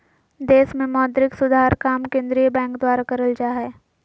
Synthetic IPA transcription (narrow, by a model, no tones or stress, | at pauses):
d̪eːsmẽmɔːd̪ɾɪksʊd̪ʱaːɾkaːmkẽːnd̪ɾijəbɛ̃ːŋkd̪waːɾakɐɾəld͡ʒaːɦɛː